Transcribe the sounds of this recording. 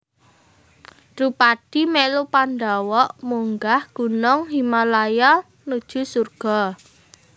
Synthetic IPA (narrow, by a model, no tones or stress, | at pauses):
rupaɖ̥i̤mɛlupandawɔʔmuŋɡahɡ̥ṳnɔŋɦimalajɔ | nud̥ʒ̥ṳsurɡ̥ɔ̤